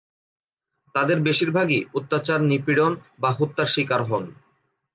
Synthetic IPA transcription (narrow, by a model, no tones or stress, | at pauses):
t̪ad̪eɾbeʃiɾbʱaɡiut̪ːat͡ɕaɾnipiɽonbaɦut̪ːaɾʃikaɾɦɔn